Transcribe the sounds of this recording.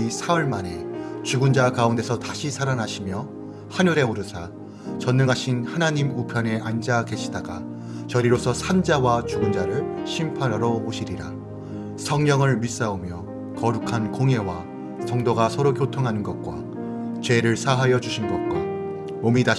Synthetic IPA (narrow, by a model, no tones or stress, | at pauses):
isʰawʌɭmane̞t͡ɕuɡund͡ʑakaunde̞sʰʌtaɕʰisʰaɾanaɕʰimjʌ | haɲuɾe̞oɾɯsʰa | t͡ɕʌnːɯŋɦaɕʰinhanaɲimupʰjʌne̞ʔand͡ʑake̞ɕʰidaɡa̰ | t͡ɕʌɾiɾosʰʌsʰand͡ʑawat͡ɕuɡund͡ʑaɾɯɭɕʰimpʰaɾaɾʌoɕʰiɾiɾa | sʰʌŋɲʌŋɯɭmis͈aomjʌ | kʌɾukʰankoŋe̞wa | sʰʌŋdoɡasʰʌɾokjotʰoŋɦanɯnɡʌt̚k͈wa̰ | t͡ɕwe̞ɾɯɭsʰaɦajʌd͡ʑuɕʰinɡʌt̚kwa | momita